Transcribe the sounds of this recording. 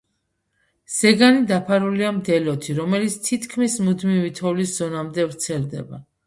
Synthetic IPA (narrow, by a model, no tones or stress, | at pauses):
z̥ɛɡanid̪apʰaɾuliamd̪ɛlɔt̪ʰiɾɔmɛlit̪sʰt̪ʰit̪ʰkʰmismud̪mivit̪ʰɔlisz̥ɔnamd̪ɛvɾt̪sʰɛlˠd̪ɛ̰ba̰